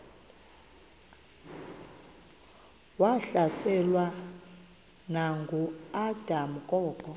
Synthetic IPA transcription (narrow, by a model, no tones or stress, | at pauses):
waɬasɛlwa | naŋɡʱuad̥ʱamukʼɔːkʼɔ